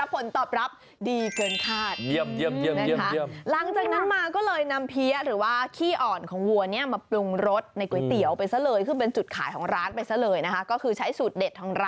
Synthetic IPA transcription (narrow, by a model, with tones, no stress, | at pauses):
a˦˥pʰːo˨˩˦nt̪ɔː˨˩p̚ɾa˦˥p̚ | diː˧kɤː˧nkʰaː˥˩t̪̚i˧əi˧əi˧ən˦˧˩kʰa˦˥˧əla˩˦ŋt͡ɕaː˨˩k̚na˦˥nmaː˧kɔː˥˩lɤː˧jna˧mpʰi˦˥ɐɾɯː˩˦waː˥˩kʰiː˥˩ʔɔː˨˩nkʰɔː˩˦ŋwu˧ɐni˥ɐmaː˧plu˧ŋɾo˦˥t̪̚na˧jku˨˩˦jt̪i˩˦əwpa˧jsa˧˩lɤː˧jkʰɯː˧p̬e˧nt͡ɕu˨˩t̪̚kʰaː˩˦jkʰɔː˩˦ŋɾaː˦˥npa˧jsa˧˩lɤː˧jna˦˥kʰa˦˥kɔː˥˩kʰɯː˧t͡ɕʰa˦˥jsuː˨˩t̪̚de˨˩t̪ʰːɔː˧ŋɾa˦˥